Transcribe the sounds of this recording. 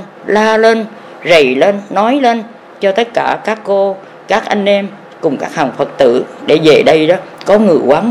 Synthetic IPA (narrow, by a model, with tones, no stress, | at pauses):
laː˧le˧n | zə˨˩jle˧nːɔ˨˦jle˧n | t͡ɕɔ˧t̪ə˦˥t̚kaː˧˩kaː˦˥kːo˧ | kaː˦˥k̚ʔa˧jŋ̟ʔɛ˧m | kʊ˨˩ŋ͡mkaː˦˥k̚haː˨˩ŋfə˨˩t̚t̪ɨ̰˧˩˨ɗe˧˩ve˨˩ɗə˧jɗɔ˨˦kɔ˨˦ŋɨ̰˧˩əkwaː˨˦ŋ